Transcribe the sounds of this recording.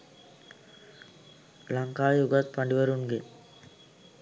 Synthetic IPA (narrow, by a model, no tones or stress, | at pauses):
laŋkaːʋejuɡat̪̚paɳɖiʋəɾuŋɡe